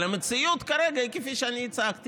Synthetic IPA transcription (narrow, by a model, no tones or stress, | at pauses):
lemet͡sijut̪kaɾeɡaikefiʃeanit͡saakt̪i